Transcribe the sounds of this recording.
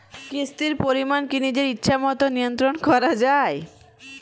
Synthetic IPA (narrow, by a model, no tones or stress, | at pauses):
kist̪iɾpoɾimankinid͡ʑeɾitːɕʰamɔt̪onijont̪ɾonkɔɾad͡ʑae